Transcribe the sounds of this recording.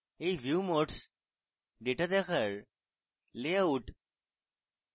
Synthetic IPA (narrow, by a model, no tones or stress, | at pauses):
ejʋʱjumoʈs | ɖeʈad̪ɛkʰəɾ | lejauʈ